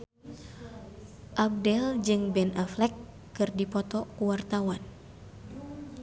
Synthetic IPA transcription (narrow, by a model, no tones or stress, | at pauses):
ʔab̚dɛld͡ʒɨŋbɛnaflɛkː | ɨrdipɔt̪ɔkuwart̪awan